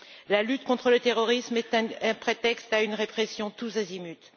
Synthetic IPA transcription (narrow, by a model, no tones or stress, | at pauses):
lalyt̪kɔ̃t̪χələt̪eʁɔʁismɛt̪ɛ̃ɛ̃pχet̪ɛkst̪aynʁepχesjɔ̃t̪usazimyt̪